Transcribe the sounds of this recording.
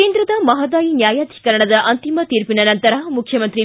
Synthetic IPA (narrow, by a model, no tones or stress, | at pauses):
eːnd̪ɾɐd̪ɐmɐɦɐd̪aːjinjaːjaːd̪ʱi̥kɐɾɐɳɐd̪ɐʔɐnt̪imɐt̪iːɾpinɐnɐnt̪ɐɾɐmukʰjɐmɐnt̪ɾi